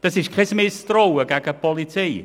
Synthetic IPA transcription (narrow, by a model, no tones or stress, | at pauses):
d̥əsiʃkʰrɪsmɪstrɔwəɡaɡəb̥ɔlˠitʰej